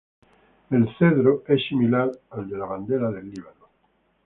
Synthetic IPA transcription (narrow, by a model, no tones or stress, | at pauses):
elθeðɾoesimilaɾald̪elaβand̪elaðelːiβ̞ano